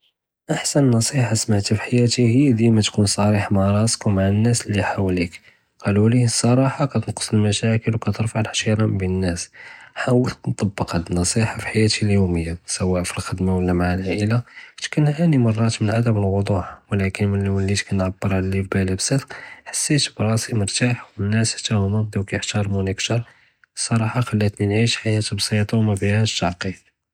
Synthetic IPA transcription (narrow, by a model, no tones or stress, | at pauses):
ʔaħsænnːɑsˤiħɑsmaʕt̪ifiħajæt̪ihijːd̪imæt̪kunsˤɑɾiħmaʕɾˤɑskumaʕanːæslːiħawlik | qɑlulisˤɑɾˤɑħɑkæt̪ənqə̥sˤəlmæʃækəlwkæt̪əɾˤfaʕlħʃiɾˤɑmbiənːæsħawəlnt̪ˤɑbːəqhæd̪nːɑsˤiħɑfi̥ħajæt̪iljuməjːasæwːæʔfilxəd̪mawəlːæmaʕalʔəlat̪kʊnhʕænimɑrˤːɑt̪mənʕad̪əməlwʊd̪ˤuħwlækənmənllːit̪kænʕabːəɾˤʕalælifbælæbsˤəd̪qħḁsːit̪bɾˤɑsiməɾt̪aħwənːæsət̪æhʊmæd̪iwkæjəħt̪ɑɾˤmunəkt̪ɑɾˤ | sˤɑɾˤɑħɑxælːæt̪ninʕiʃħajæt̪bsˤit̪ˤɑmæbihæʃɑʕqi